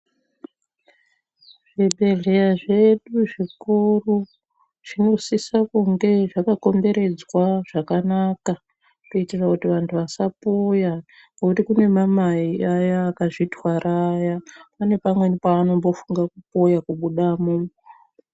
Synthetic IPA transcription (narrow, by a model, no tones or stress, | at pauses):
ʐ̥iɓe̞ɮe̞jaʐe̞ɗuʐikuru | ʐ̥ino̞sisakuŋɡe̞ʐakako̞mbe̞ɾe̞d͡zwaʐ̥akanaka | kuitirakutiʋantʰuʋasapoja | nokutikune̞mamaiajaːkaʐitwarajapane̞pamwe̞nipaːno̞mbo̞fuŋɡakupo̞jakuɓuɗamu